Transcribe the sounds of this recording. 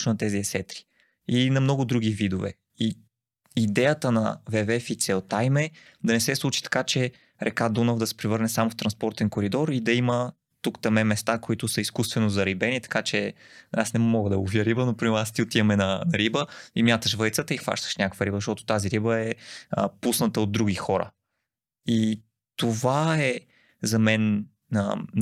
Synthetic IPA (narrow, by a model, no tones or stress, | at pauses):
nɐt̪ɛziɛsɛt̪ɾi̥ | inɐmnɔɡʊd̪ɾuɡ̟ivid̪ʊvɛ̰ | i | id̪ɛjət̪ənɐ̰vɛvɛfit̪sɛlˠt̪ajmɛ | d̪ɐnɛsɛslˠut͡ʃi̥t̪ɐ̥kat͡ʃɛ | ɾʔɛkad̪unovd̪ɐsɛ̥pɾɛvɤɾnɛsamʊft̪ɾɐnspɔɾt̪ɛnkoɾid̪ɔɾid̪ɐimə | t̪ukt̪ɐmɛmɛst̪akoit̪ʊsəiskust̪vɛnʊzɐɾibɛnit̪ɐ̥kat͡ʃɛasnɛmɔɡəd̪ɐuviəɾibənopɾimɛɾast̪iot̪iəmɛnɐnɐɾibəimjat̪əʃvɤjt̪sət̪əixva̰ʃt̪ə̥ʃnʲakəkvəɾibəzəʃt̪ɔt̪ʊ̥t̪aziɾibəɛə̰pusnət̪əod̪ːɾuɡ̟ixɔɾə̰ | i | t̪ovaɛ | zɐmɛn | ə